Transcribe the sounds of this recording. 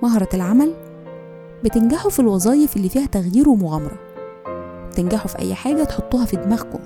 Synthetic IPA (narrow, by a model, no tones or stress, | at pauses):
mɑɦɑɾˤɑelʕamæl | bet̪enɡaħufilwɑzˤɑːjefelːiːfiːhæt̪æɣjiːɾwemoɣæmɑɾˤɑ | b̥et̪enɡaħufiʔæ̰jːħaːɡæt̪eħot̪ˤːuːhɑfid̪mæɣko̰m